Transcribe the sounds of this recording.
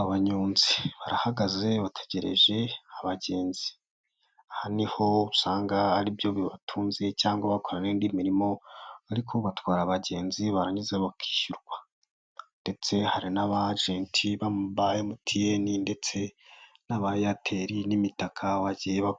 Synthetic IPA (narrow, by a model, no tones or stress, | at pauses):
aβaɲuːnziβaɾahaɡaze̞βatʰe̥ɟeɾḛʒe̞aβaɟe̞ːnzi̥ | ahaniho̞usaːŋɡaaɾibjo̞βiβatʰuːnze̞caːŋɡwaβakoɾanendimiɾimo̞βaɾikʰoβatwaːɾaβaɟe̞ːnziβaɾaɲizeβakʰi̥ːʃuɾɡwa | nde̞t͡se̞haɾinaβaʒeːntʰiβamuβajemutʰijeninde̞t͡se̞naβajatʰe̞ɾinimitakʰawaɟijeβa